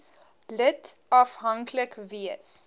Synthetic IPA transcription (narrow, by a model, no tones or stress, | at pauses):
lətɐfɦɐŋkʰləkviəs